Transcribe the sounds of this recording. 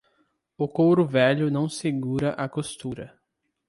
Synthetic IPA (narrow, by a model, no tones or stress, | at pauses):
ʊkowɾʊvɛʎʊnɐ̃w̃seɡuɾɐʔɐkost̪uɾɐ